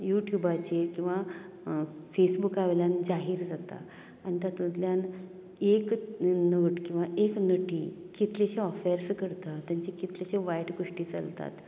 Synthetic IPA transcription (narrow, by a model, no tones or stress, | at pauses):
juʈjubat͡ɕekĩw̃ʋa | fesbukaʋljand͡zaɦiːɾd͡zat̪a̰ː | ñit̪at̪ũt̪ljan | eknəʋəʈkĩw̃ʋaʔeknəʈiːkit̪leɕeɔfeɾskəɾt̪at̪jãɲt͡ɕekit̪leɕeʋajʈɡoʂʈiːt͡sa̰lt̪a̰t̪